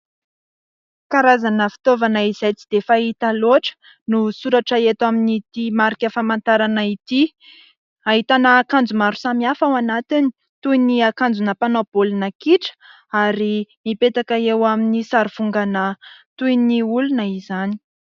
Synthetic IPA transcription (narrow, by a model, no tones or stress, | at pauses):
kaɾazanəfi̥t̪ovanaizajt͡si̥d̪efait̪aloaʈ͡ʂə̥ | nusuɾaʈ͡ʂaet̪aminit̪imaɾikʲəfamant̪aɾanait̪i | aɦit̪anaːkand͡zumaɾusamiafawanat̪ini̥ | t̪ujniakand͡zunəpanobolinakiʈ͡ʂə̥ | aɾimipet̪akaewaminisaɾiv̥uŋɡanət̪ujniulunəizani̥